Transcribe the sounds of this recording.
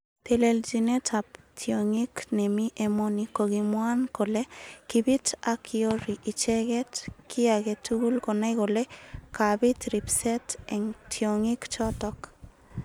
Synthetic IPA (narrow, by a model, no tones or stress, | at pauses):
t̪eleld͡ʒinɛtʰap̚ | tʰjoŋiknɛmiʔemonikoɡimwankolekibitakioɾiʔit͡ʃɛɣɛtkiaɡɛtuɣulkonajkolekabitɾipsɛtɛŋtʰjoŋikt͡ʃɔtɔk